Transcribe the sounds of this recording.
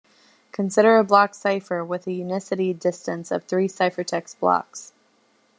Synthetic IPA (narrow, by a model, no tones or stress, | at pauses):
kʰɨ̃nsɪɾə˞əblɑksaɪfə˞wɪðɨjʉnɪsɨɾidɪstɨ̃nsʌ̰v̥θɹisaɪfə˞tʰɛksb̥lɑ̰ks